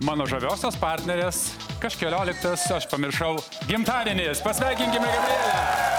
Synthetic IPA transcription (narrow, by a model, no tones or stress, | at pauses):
mɑːnoːʒɐʋʲoːsʲoːspɑˑɾʲt̪ʲnʲɛɾʲeːs | kɐʃkʲɛlʲoːlʲɪkt̪ɐsɐʃpɐmʲɪɾʃɐʊ | ɡʲɪmt̪ɑːɾʲɪnʲeːspɐsʲʋʲæˑɪkʲɪŋʲkʲɪmʲɛɡɐbʲlʲeːlʲɛ